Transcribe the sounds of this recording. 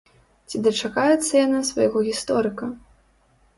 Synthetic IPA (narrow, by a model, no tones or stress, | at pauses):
t͡sʲid̪ɐt͡ʂakajɛt̪sːɐjanasva̰jaɣɔɣʲist̪ɔɾɨkɐ